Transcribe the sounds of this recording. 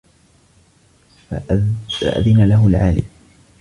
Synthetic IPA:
faa̰ʔa̰ðɪnalaɦʊlʕa̰ːlɪ̰m

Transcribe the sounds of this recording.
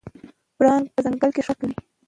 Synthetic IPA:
bɽɑnpəzaŋɡalkeʂakli

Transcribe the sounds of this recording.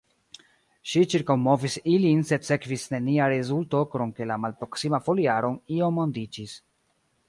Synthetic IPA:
ʃit͡ʃiɾkawmo̞visilinse̞se̞kvisne̞niaɾezulto̞kɾoŋke̞lamalpɾo̞ksimafo̞liaɾo̞nio̞mondid͡ʒis

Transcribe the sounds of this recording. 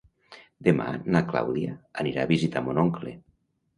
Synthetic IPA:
d̪ema̰nakla̰wðia̰aniɾaːβizit̪amonoŋkle

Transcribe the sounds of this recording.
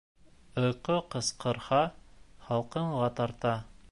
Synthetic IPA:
ŏjqoqɤ̆sqɤ̆ɾhɑχɑlˠqɤ̆ɴʁɑt̪ɑɾt̪ɑ

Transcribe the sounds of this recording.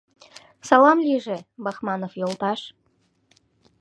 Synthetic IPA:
sɑlɑmliʒĕbɑxmɑnofjolt̪ɑʃ

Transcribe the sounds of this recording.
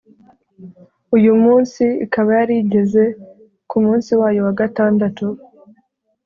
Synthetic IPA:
ujumuːnsiikaβajaɾiɟe̞ze̞ | kumuːnsiwaːjo̞waɡataːndatu

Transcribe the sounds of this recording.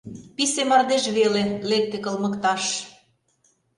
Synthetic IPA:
pisemɑrd̪eʃβelelek̚t̪ekɤlmə̆kt̪ɑʃ

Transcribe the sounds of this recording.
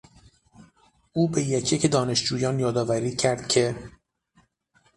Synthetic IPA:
ʔuːbe̞jecʰjecʰed̪ɒːne̞ʃd͡ʒuːjɒːnjɒːd̪ɒːvæɾiːcʰæɾd̪̥cʰe̞

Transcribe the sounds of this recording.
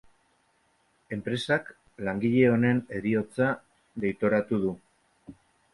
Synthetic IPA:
e̞mpɾe̞sak | laŋɡiʎe̞o̞ne̞ne̞ɾio̞t͡sa | ðe̞jt̪o̞ɾat̪uð̞u

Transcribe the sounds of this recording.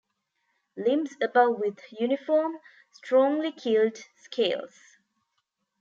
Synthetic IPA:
lɪ̃msəbʌvwɪðjʉnɪfɔːm | stʰɹ̥ɔ̃ŋlikʰɪldskʰeɪlˠz̥

